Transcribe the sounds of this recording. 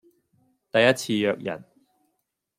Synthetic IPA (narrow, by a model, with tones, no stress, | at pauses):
t̪ɐ˨jːɐ˥t̚t͡sʰiː˧jœː˧k̚jɐ̰˨˩n